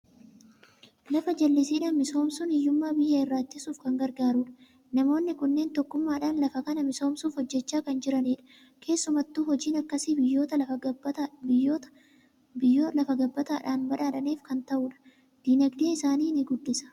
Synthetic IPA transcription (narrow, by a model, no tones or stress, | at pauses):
lɐfɐd͡ʒɐlːɪsiːᶑɐnmɪso̞ːmsʊnɪjːʊmːaːbɪjːɐɪrːaːt̪ːɪsuːfkɐŋɡɐɾɡaːɾuːᶑɐ̥ | nɐmo̞ːnːɪkʊnːe̞ːnt̪ɔkːʊmːaːᶑaːnlɐfɐkɐnɐmɪso̞ːmsuːfhɔd͡ʒːɛt͡ʃːaːkɐnd͡ʒɪɾɐniːᶑɐ̥ | kʰe̞ːsːʊmɐt̪ːuːhɔd͡ʒiːnɐkːɐsibɪjːo̞ːt̪ɐ | ɪoːt̪ɐ̥ | bɪjːoːlɐfɐɡɐbːɐt̪aːᶑaːnbɐᶑaːᶑɐniːfkɐnt̪ɐʔuːᶑɐ̥ | d̪̥inɐɡd̪eːɪsaːniːnɪɡʊd̪ːɪsɐ̥